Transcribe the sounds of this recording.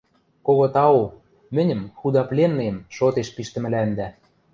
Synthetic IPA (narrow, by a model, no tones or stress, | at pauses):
koɣot̪ɑo | mɘ̆nʲɘ̆mxud̪ɑplenːemʃot̪eʃpiʃt̪ɘ̆mɘ̆lænd̪æ